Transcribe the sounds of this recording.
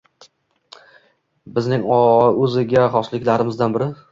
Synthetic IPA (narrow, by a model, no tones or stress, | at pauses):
bɪznɪŋɒɵzɪɡʲaχɒslɪkʲlaɾɪmɪzd̪anbɪɾɪ